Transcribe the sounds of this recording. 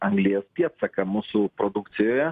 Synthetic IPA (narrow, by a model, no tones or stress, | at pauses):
ɐŋɡlʲɪjɛspʲiɛt̪sɐkɐmuːsʊpɾod̪ʊkt̪sʲɪjoːjɛ